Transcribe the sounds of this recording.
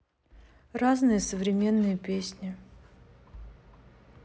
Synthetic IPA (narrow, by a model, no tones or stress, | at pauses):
raznɨjəsəvɾʲɪmʲe̞nːɨjəpʲesʲnʲɪ